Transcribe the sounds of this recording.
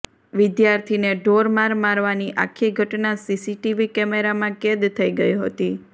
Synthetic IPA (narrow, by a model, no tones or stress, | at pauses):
ʋɪd̪jaɾt̪ʰineɖoɾmaɾmaɾʋaniʔa̰kʰːiɡʱəʈnasisiʈiʋikɛmeɾamãked̪t̪ʰəiɡəiɦə̰t̪i